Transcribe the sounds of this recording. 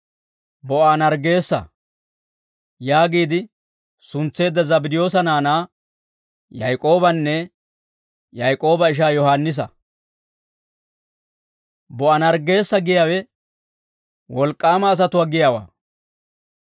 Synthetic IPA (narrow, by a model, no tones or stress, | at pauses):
bɔʔanɐɾɡe̞ːsːɐ̰ | jaːɡiːd̪ɪ | sʊnt͡sːe̞ːd̪ːɐzɐbɪd̪ɪjo̞ːs̬ɐnaːnaː | jɐjkʼo̞ːbɐnːɛ | jɐjkʼo̞ːbɐɪʃ̬aːjɔhanːɪs̬ɐ | bɔʔanɐɾɡe̞ːsːɐɡɪjaːwɛ | wɔlkʼːaːmɐːs̬ɐt̪ʊwaːɡɪjaːwa̰ː